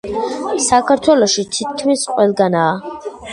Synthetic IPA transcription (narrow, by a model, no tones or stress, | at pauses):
sakʰaɾt̪ʰwɛlɔʃit̪ʰit̪̚kʰmisqʼwɛlˠɡanaː